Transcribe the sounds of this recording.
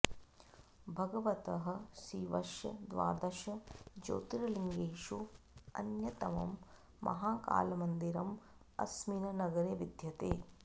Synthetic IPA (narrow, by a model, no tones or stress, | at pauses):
bʱɐɡɐʋɐt̪ɐɦɐ̆siːʋɐʃjɐd̪ʋa̰ːd̪ɐʃɐd͡ʒo̰ːt̪iɾɐliŋɡeːʃu | ɐ̰njɐt̪ɐʋɐ̰mː | ʔɐ̰ɦaːka̰ːlɐmɐnd̪iɾɐm | ɐ̰sminɐnɐɡɐɾeʋid̪ʱjɐt̪eː